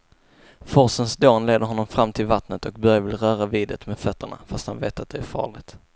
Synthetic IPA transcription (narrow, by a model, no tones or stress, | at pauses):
fɔsənsd̪oːnleːd̪əɾɦɔnːɔmfɾamːt̪ʰɪlvat̪nət̪ɔk̚bœɾjavɪlɾœːɾaviːd̪ət̪meːd̪fœt̪ːəɳa̰fast̪ha̰nvḛːt̪at̪̚d̪ɛæɾfɑ̰ːɭɪɡt̪